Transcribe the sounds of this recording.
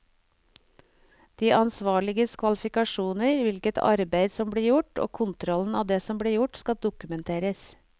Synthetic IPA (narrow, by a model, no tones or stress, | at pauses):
d̪̥iːʔɑnsʋɑːɭɪɡəskʰʋɑlɪfɪkɑʃuːnəɾʋɪlkət̪ʰɑ̰ɾbeɪd̪sɔmbɽiːjʊʈo̰ːkʰʊnt̪ɾɔln̩ɑːd̪eːsɔmbɽiːjʊʈskɑd̪ʊkʉmɛnt̪ʰeːɾəs